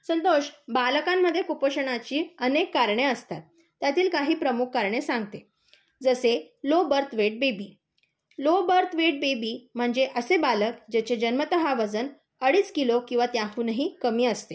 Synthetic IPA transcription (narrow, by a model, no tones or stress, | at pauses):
sənt̪oɕbaləkamːəd̪ʱːjekupəɕəɳat͡ɕiːənekːaɾɳeəst̪at̪̚ː | jat̪iːlkaɦiːpɾəmukʰːaɾɳesãŋɡt̪e | d͡zəse | lobəɾt̪ʋeʈ̚bebiː | lobəɾt̪ʋeʈ̚bebiːm̤əɳd͡zeʔəsebaləkd͡ʑet͡ɕed͡ʑənmət̪əɦaʋəd͡zən | əɽiːt͡skilokĩw̃ʋat̪jãɦuːnəɦiːkəmiːəst̪e